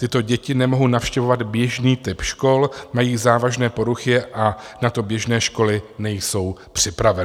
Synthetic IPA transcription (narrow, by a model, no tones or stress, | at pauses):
t̪ɪt̪o̞ɟɛcɪnɛmo̞ɦownafʃcɛvo̞vad̪bjɛʒniːt̪ɪpʃko̞lmajiːzaːvaʒnɛːpo̞ɾuxɪʔanat̪o̞bjɛʒnɛːʃko̞lɪnɛjso̞wpr̥ɪpɾavɛn